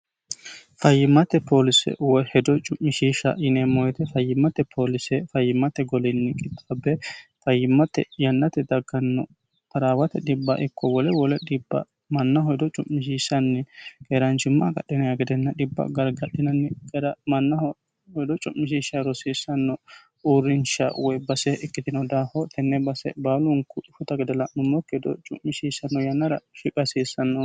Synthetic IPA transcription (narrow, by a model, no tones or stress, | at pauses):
fɐjːɪmːɐt̪ːɛpʰo̞ːlɪsɛ̰wɔhɛd̪ɔt͡ʃʼʊmːɪʃiːʃɐ̰ʔɪnɛmːɔjɛt̪ɛfɐjːɪmːɐt̪ɛpʰoːlɪsɛfɐjːɪmːɐt̪ɛɡɔlɪnːɪkʼɪt̪ʼːabːɛfɐjːɪmːɐt̪ːɛ̰jɐnːɐt̪ɛd̪ɐɡːɐnːɔ̰ | t̪ɐɾaːwɐt̪ɛɗɪbːɐ̰ʔɪkːɔwɔlɛwɔlɛɗɪbːɐ̰ | mɐnːɐɦɔjd̪ɔt͡ʃʼʊmːɪʃiːʃːɐnːɛkeːɾɐnt͡ʃɪmːɐɡɐ̰ɗːɪnɐjɐɡɛd̪ɛnːɐᶑɪbːɐ̰ɡɐɾɡɐɗːɪnɐnːɛkɛɾɐmɐnːɐhɔ | hɔjd̪ɔt͡ʃʼʊmːɪʃ̬iːʃɐɾɔsiːsːɐnːɔ | uɾːɪnʃɐ̰wɔjbɐsɛɪkːɪd̪ɪnɐd̪aːhɔt̪ʰɛnːɛbɐsɛ̰baːlʊŋkʊɪfʊt̪ɐɡɛd̪ɛlɐʔnʊmːɔkːɛd̪ɔ̰t͡ʃʼʊ̰mːɪʃiːsɐnːɔjɐnːɐɾɐ̰ʃɪkʼɐsiːsːɐnːɔ